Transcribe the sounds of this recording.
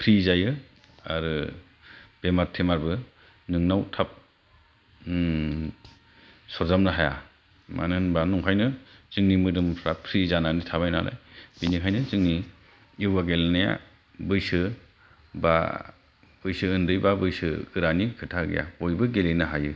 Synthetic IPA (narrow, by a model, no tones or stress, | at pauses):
pʰɾizajɯ | aɾɯ | b̥ematʰːemaɾbɯ | nɯŋnawtʰap̚ | sɔɾzamnɯɦaja̰ | ma̰nɯnbanuŋkʰajnɯzɯŋnimɯdɯmpʰɾapʰɾizananitʰabajnalʔa̰jb̥inikʰajnɯzɯŋni | iwaɡelnaja̰ | bɯjsɯ | ba̰ | bɯjsɯɯndɯjbabɯjsɯ̰ɡɯɾanikʰɯtʰaɡḭja̰bɔjbɯɡelenaɦajɯ